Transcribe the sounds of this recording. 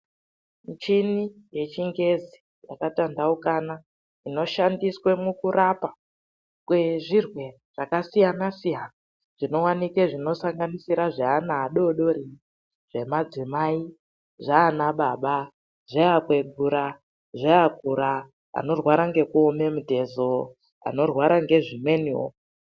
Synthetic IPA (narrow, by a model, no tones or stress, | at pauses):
mit͡ʃini | je̞t͡ʃiŋɡe̞zi | ja̰katandaukana | ino̞ʃandiswe̞mukuɾapa | kwe̞ʐirwe̞ | ʐ̥akasijanasijana | ʐ̥ino̞wanikeʐino̞saŋɡanisiɾaʐaanaːɗo̞ɗo̞ri | ʐ̥e̞mad͡zimai | ʐaːnaɓaɓa | ʐeakwe̞ɡʱuɾa | ʐeakuɾa | a̰no̞rwaɾaŋɡe̞kuome̞mute̞zo | a̰no̞rwaɾaŋɡe̞ʐimwe̞niwo̰